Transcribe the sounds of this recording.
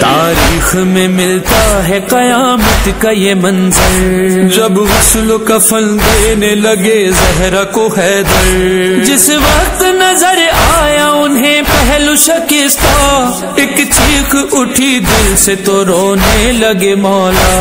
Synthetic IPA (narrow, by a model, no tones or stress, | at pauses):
t̪aːɾiːxmẽmɪlt̪aɦɛqɐjaːmət̪kajemɐ̃nzɪɾd͡ʒɐbʋɐslokɐfʰɐld̪eːnelɐɡezɐɦɾakohɛːd̪ɐɾd͡ʒɪsʋɐkt̪nɐzəɾaːjaʊnɦẽpɛɦlʊʃɐkɪst̪a | ɪkt͡ʃʰiːxʊʈʰid̪ɪlset̪oɾoːnelɐɡemɔːlaː